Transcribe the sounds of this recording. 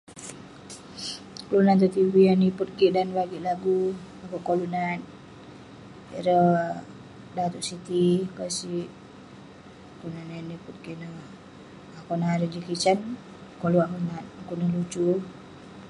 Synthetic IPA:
kəlunant̪̬ut̪ibianiput̪̚kiʔdanbaɡiʔlaɡu | akoʔkolunat̪̚ | ḭɾə | dat̪uʔsit̪ikasiʔ | kounananiput̪̚kiʔnə | akonaɾəd͡ʒikit͡ʃan | koluakonat̪̚akunəhlut͡ʃu

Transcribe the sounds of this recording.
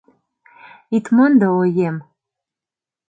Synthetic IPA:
it̪mɤnd̪ɤojem

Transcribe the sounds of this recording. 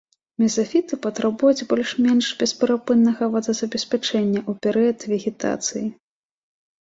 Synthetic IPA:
mʲɛzafʲit̪ɨpɐt̪ɾabujud͡zʲbɔlʲʂmʲɛnʂbʲɛspʲɛɾapɨnːɐɣɐvɐd̪ɐzɐbʲɛsʲpʲat͡ʂɛnʲːɐʔupʲɛɾɨɐt̪vʲɛɣʲɛt̪a̰t̪sɨji

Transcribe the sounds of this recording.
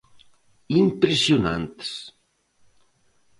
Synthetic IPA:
impɾesiuna̰nt̪s

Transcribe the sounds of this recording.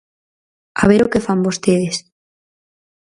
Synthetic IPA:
a̰β̞eɾokefambost̪eð̞es

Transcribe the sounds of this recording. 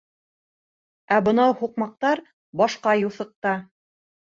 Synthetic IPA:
æbɤ̆nɑwhuqmɑq̚t̪ɑɾ | bɑʃqɑjuθɤ̆q̚t̪ɑ

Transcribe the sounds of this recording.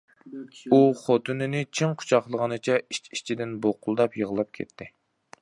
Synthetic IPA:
uχot̪ʰɨnɪnɪt͡ʃʰiŋqʰʊ̥t͡ʃʰɑχlˠəʁənɨt͡ʃʰɛit͡ʃi̥t͡ʃʰid̪ɪnboqʰʊlˠd̪ɑpjəʁəlˠɑp̚kʲʰḛt̪ʰːɪ

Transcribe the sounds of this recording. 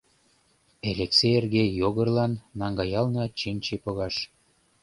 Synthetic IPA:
elekseerɣejoɣə̆rlɑnːɑŋɡɑjɑlnɤt͡ɕinʲt͡ɕepoɣɑʃ

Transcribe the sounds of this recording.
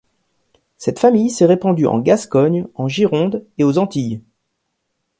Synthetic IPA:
sɛt̪famijsɛʁepɑ̃d̪yʔɑ̰̃ɡaskɔɲɑ̃ʒiʁɔ̃d̪eozɑ̃t̪ij

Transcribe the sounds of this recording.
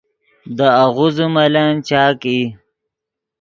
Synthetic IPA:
d̪əaɣuzumalant͡ɕaːki

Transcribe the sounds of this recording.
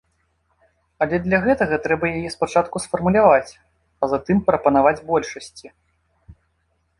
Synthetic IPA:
ɐlʲɛd̪lʲɐɣɛt̪ɐɣɐt̪ɾɛbɐjajɛspat͡ʂat̪kusfɐrmulʲavat͡sʲ | ɐzat̪ɨmpɾɐpɐnavad͡zʲbɔlʲʂɐsʲt͡sʲi

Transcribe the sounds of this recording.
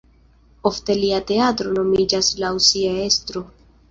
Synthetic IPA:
o̞fte̞liate̞atɾo̞no̞mid͡ʒaslausiae̞stɾo̞

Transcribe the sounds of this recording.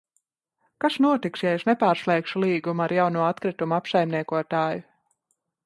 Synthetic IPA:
kaʃnuɔt̪iksjajeʃnɛpaːɾslˠɛːkʃulˠiːɡumuaɾjawnuɔat̪kɾit̪umuapsajmniɛkuɔt̪aːju

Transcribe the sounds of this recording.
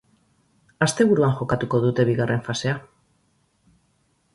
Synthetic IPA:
ast̪e̞βuɾuanxo̞kat̪uko̞ðut̪e̞βiɣare̞ɱfase̞a

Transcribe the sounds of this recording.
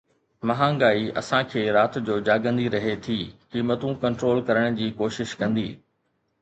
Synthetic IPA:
mɐɦãːɡaːiɐ̰sãkʰeːɾaːt̪d͡ʑoːd͡ʑaːɡə̃nd̪iɾɐɦet̪ʰiːkiːmət̪ũkɐ̃ɳʈɾoːlkɐɾəɽ̃d͡ʑiːkoːʃɪʃkɐ̃nd̪ḭː

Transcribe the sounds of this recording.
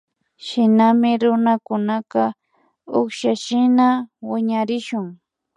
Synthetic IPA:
ʃɪnamɪɾʊnakʊnakɑ | oχʃaʃɪnawɪɲaɾɪʃʊŋ

